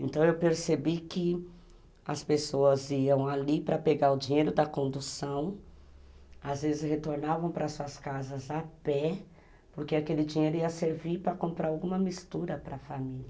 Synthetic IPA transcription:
ẽnt̪ɐ̃w̃ewpeɾsebikɪ | ɐspesoɐziɐ̃w̃alipɾɐpeɡaʊd͡ʒĩɲejɾʊd̪ɐkõnd̪usɐ̃w̃ | azvezɪshet̪oɾnavɐ̃w̃pɾɐsuɐskazɐzapɛ | poɾkeakelɪd͡ʒĩɲejɾʊiɐseɾviɾpɾɐkõmpɾaɾawɡũmɐmist̪uɾɐpɾɐfamilʲɐ

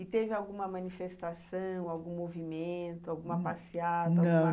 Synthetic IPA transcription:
ɪt̪evɪawɡũmɐmɐ̃nifest̪asɐ̃w̃awɡũmovimẽnt̪ʊawɡũmapasiad̪ɐawɡ̃ũɐ

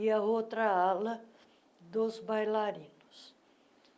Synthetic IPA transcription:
iɐot̪ɾɐalɐ | d̪ozbajlaɾĩnʊs

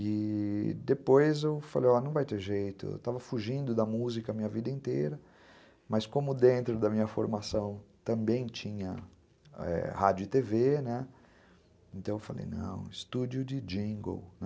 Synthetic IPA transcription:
ɪd̪epojzewfalejɔnɐ̃w̃vajt̪eʒejt̪ʊḛwt̪avɐfuʒĩnd̪ʊd̪ɐmuzikɐmĩɲɐvid̪ɐĩnt̪eɾɐ | mɐskõmʊd̪ẽnt̪ɾʊd̪ɐmĩɲɐfo̰ɾmasɐ̃w̃t̪ɐ̃mbẽj̃t͡ʃĩɲɐ | ɛ̰had͡ʒʊɪt̪evenɛ | ẽnt̪ɐ̃w̃ewfalḛjnɐ̰̃w̃ɪst̪ud͡ʒjʊd͡ʒɪd͡ʒĩɡo̰wnɛ

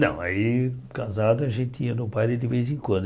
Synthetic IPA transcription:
nɐ̰̃w̃aikãzad̪ʊɐʒẽnt̪ɪĩɐnʊpajd̪ɪd̪ɪvezẽkwɐ̃nd̪

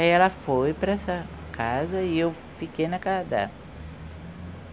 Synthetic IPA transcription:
aiɛlɐfojpɾɐɛsɐ | kʰazɐɪew | fikejnɐkad̪a̰

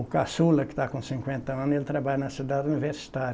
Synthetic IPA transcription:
ʊkasulɐkkɪ̥t̪akõsĩŋkwẽnt̪ɐɐ̃nelɪt̪ɾabaʎɐnɐsid̪ad̪univeɾsi̥t̪aɾ

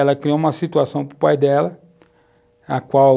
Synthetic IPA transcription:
ɛlɐkɾioũmɐsit̪uasɐ̃w̃pɾʊpajd̪ɛlɐ | akwaw

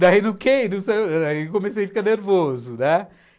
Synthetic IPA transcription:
d̪ainũkʰenɐ̃w̃sejaikõmeseifikɐneɾvozʊnɛ

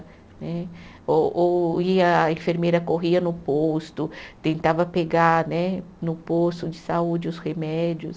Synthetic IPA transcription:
nɛ | oʔoiɐẽfeɾmejɾɐkoɦiɐnʊpost̪ʊt̪ẽnt̪avɐpeɡaɾnɛnʊpost̪ʊd͡ʒɪsaud͡ʒɪʊshemɛd͡ʒjʊs

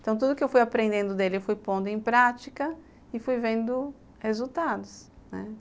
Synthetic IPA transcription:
t̪ɐ̃w̃t̪ud̪ʊkɪewfujapɾẽnd̪ẽnd̪ʊd̪elɪfujpõnd̪ʊẽj̃pɾat͡ʃikɐ | ɪfujvẽnd̪ʊ | hezut̪ad̪ʊsnɛ̰

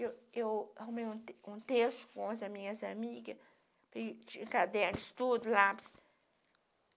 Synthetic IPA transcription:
ewewhũmejũt̪ũt̪esʊ̥kõɐzɐmĩɲɐzamiɡɐ | pɐt͡ʃẽkad̪ɛɾɪ̥st̪ud̪ʊlaps

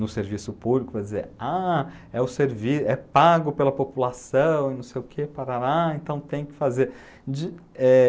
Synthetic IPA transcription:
nʊseɾvisʊpublikʊpɾɐd͡ʒɪzḛɾa | ɛʊseɾvisɛpaɡʊpelɐpopulasɐ̃w̃ɪnɐ̃w̃sejʊkʰepaɾaɾaẽnt̪ɐ̃w̃t̪ẽj̃kɪ̥fazeɾ | d͡ʒɪ | ɛ

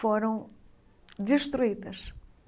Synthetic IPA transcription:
foɾɐ̃w̃ | d̪ɨʃt̪ɾuiðɐʃ

